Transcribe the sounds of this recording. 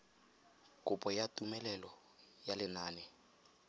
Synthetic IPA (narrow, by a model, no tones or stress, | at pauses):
kʼʊpʼɔjatʼumɛlɛlɔ | jalɪnaːnɛ